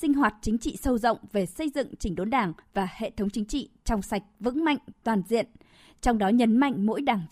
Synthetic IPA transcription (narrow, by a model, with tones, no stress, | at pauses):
sï˧ŋ̟ɦwaː˨˩t̚t͡ɕï˨˦ŋ̟t͡ɕḭ˧˨sə˧wzə̰˧˨wŋ͡mve˨˩sə˧jzɨ̰˧˨ŋt͡ɕï˧˩ŋ̟ɗo˨˦nɗaː˨˩ŋvaː˨˩hḛ˧˨t̪ʰə˨˦wŋ͡mt͡ɕï˨˦ŋt͡ɕḭ˧˨t͡ɕɔ˧wŋ͡msa˨˩jk̟̚vɨ̰˧˥ŋma̰˧˨jŋ̟t̪waː˨˩nzḭ˧˨ən | t͡ɕɔ˧wŋ͡mɗɔ˨˦ɲə˨˦nma̰˧˨jŋ̟mo̰˧˥jɗaː˨˩ŋ